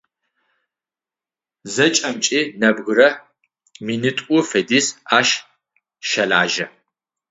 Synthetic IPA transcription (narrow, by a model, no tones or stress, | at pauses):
zɐt͡ʃʼɐmt͡ʃʼiːnɐbɣʊɾɐ | minɨtʼʊfɐdiːsaːʃ | ʃɐlaːʒɐ